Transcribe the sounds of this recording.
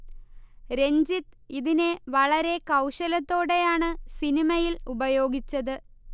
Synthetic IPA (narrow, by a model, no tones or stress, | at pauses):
ɾe̞ɲd͡ʑit̪ | iðineʋɐɭɐɾe̞kɐwʂɐlɐt̪ːo̞ːɽe̞jaːɳɨsinimɐjilubɐjo̞ːɡit͡ɕːɐðɨ